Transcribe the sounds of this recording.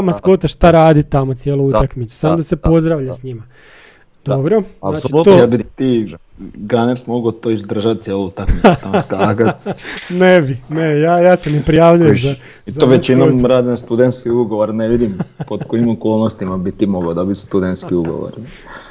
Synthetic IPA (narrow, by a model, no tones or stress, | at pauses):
amaskot̪aʃt̪aɾaːd̪it̪amot̪sjelˠuut̪akmit̪su̥samod̪ase̞po̞zd̪ɾaʋʎasɲima | d̪̥obɾozaːt͡ʃit̪ojabit̪i | ɡaneɾsmoɡot̪oizd̪r̩ʒat̪̚sjeluut̪akmit͡s̪amst̪akanebinejaːjaːsenepɾijaːʋʎujea | izoʋet͡ʃinomɾaːd̪inast̪ud̪ent̪skiuɡoʋoɾneʋid̪impod̪koimokolˠnost̪imabit̪imoɡod̪obit̪st̪ud̪ent̪skiuɡo̰ʋo̰ɾi